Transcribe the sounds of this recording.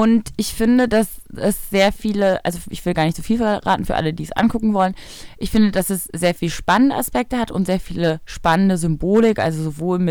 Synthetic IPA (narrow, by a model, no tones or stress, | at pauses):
ʔʊntɪçfɪndədasɛsz̥eːɐfiːləʔa̰lzoʔɪçv̥ɪldɡaːɐnɪçtz̥oːfiːlfɛɐʁa̰ːtn̩fyɐʔa̰lədiːɛsʔa̰nɡʊkŋ̩vɔlən | ʔɪçfɪndədasɛsz̥eːɐfiːləʃpanəndəʔaspɛk̚təhatʊntz̥eːɐfiːləʃpanəndəzʏmboːlɪkʔa̰lzozovoːlmɪ